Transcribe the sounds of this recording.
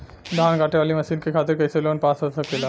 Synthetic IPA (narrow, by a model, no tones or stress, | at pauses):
d̪aankaʈeʋaliməsiːnkekʰat̪iɾkəjseloənpasɦosəkela